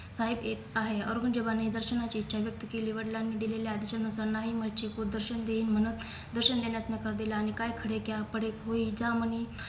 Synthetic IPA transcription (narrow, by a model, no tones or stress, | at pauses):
saɦibet̪aɦeə̰ɾɡənd͡ʑəbaned̪əɾɕənat͡ɕiːt̪ːɕʰaʋjək̚t̪əkeliʋəɽlanːid̪ilelead̪əɕənusəɾnaɦimət͡ɕekod̪əɾɕənd̪eiːnm̤ənut̪ | d̪əɾɕənd̪enjat͡snəkəɾd̪ilaːñikajkʰəɽekjapəɽekɦoid͡zaməni